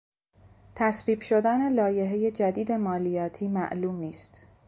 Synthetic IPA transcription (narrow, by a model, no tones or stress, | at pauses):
t̪ʰæsviːbʃo̞d̪æne̞lɒːje̞ɦeje̞d͡ʒæd̪iːd̪e̞mɒːlijɒːt̪ʰiːmæ̰ʔluːmniːst̪